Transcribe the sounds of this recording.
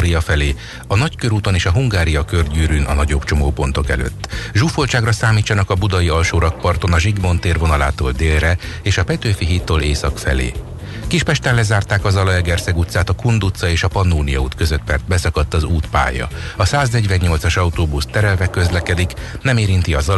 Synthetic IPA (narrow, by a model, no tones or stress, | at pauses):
ɾijɒfɛleː | ɒnɒckøɾuːt̪o̞neːʃɒɦuŋɡaːɾijɒkørɟyːɾynʔɒ̰nɒɟo̞bt͡ʃo̞moːpo̞nt̪o̞kɛ̰lø̰ːt̪ːʒuːfolt͡ʃaːɡrɒsaːmiːt͡ʃːɒnɒkɒbud̪ɒjiɒlʃoːɾɒk̚pɒrt̪o̞nɒʒiɡbo̞nt̪eːrvo̞nɒla̰ːt̪o̰ːld̪eːlrɛ | eːʃɒpɛt̪øːfiɦiːt̪ːoːlḛːsɒkfɛ̰lḛː | kiʃpɛʃt̪ɛlɛzaːrt̪aːkɒzɒlɒɛɡɛrsɛɡut̪saːt̪ɒkund̪ut̪sɒeːʃɒpɒnːuːnijɒuːt̪kø̞zøt̪pɛrt̪̚bɛsɒkɒt̪ːɒzuːt̪pa̰ːjɒ̰ɒsaːznɛɟʋɛɲːo̞lt̪sɒʃɒut̪oːbust̪ɛɾɛlvɛkø̞zlɛkɛd̪iknɛmeːɾint̪iɒzɒ